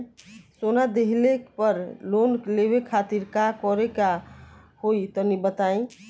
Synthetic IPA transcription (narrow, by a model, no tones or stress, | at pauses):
sonad̪eɦlekpəɾlonklebekʰat̪iɾkakɔɾeka | hoit̪ɔnibət̪aĩ